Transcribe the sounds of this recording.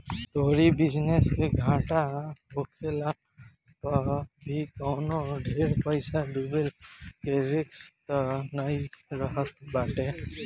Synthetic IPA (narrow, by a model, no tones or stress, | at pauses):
t̪oːɾibɪd͡ʒneskeɡʱãʈabokʰela | pəbʱikɔːnoɖʱeːɾpəɪsaɖubelkeɾɪkst̪naiɾəɦət̪baːʈe